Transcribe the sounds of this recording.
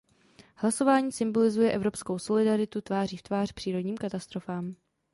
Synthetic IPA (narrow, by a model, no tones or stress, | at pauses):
hlaso̞vaːɲiːsɪmbo̞lɪzujɛʔɛvɾo̞psko̞wso̞lɪdaɾɪt̪ut̪vaːriːft̪vaːr̥pr̥iːɾo̞dɲiːmkat̪ast̪ɾo̞faːm